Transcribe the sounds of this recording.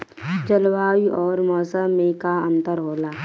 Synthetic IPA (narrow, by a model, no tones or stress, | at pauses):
d͡ʒəlwaːwiʔɔːɾmɔːsəmːẽkaə̃nt̪əɾɦoːlaː